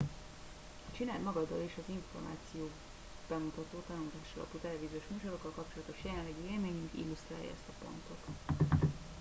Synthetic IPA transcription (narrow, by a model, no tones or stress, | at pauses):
t͡ʃinaːld̪mɒɡɒd̪ːɒ̰leːʃɒziɱfo̞rma̰ːt̪sijoː | b̥ɛmut̪ɒt̪oːt̪ɒnult̪aːʃɒlɒ̰put̪ɛlɛviːzioʃmuːʃɒlokːɒlkɒpt͡ʃo̞lɒt̪o̞ʃjɛlɛnlːɛɡieːlmeːɲyŋkḭlːust̪ra̰ːjɒ̰ɛ̰st̪ɒpo̞̰nt̪o̞t̪